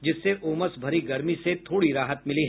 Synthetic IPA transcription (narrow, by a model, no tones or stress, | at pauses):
d͡ʒɪsːeʔoːməsbʱɐɾiɡɐɾmiset̪ʰoːɽiɾaːɦət̪mɪliɦɛ